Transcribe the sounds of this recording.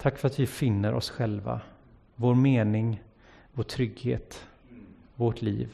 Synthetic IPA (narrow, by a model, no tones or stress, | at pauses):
t̪ʰakːfœɾat̪vɪfɪnːəɾʔɔ̰sɧɛlva̰ | voːɾmeːnɪŋ | voːʈʰɾʏɡhḛːt̪ | voʈʰlḭːv